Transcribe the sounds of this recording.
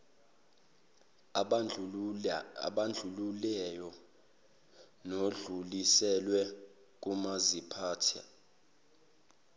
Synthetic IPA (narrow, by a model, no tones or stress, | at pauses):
ɓand͡ɮʱululɛjɔ | noɮulisɛlwɛ | k̬ʼumazipʰaːtʰia̰